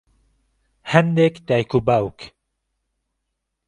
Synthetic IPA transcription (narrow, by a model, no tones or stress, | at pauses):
hɛnd̪ekd̪ajkubawk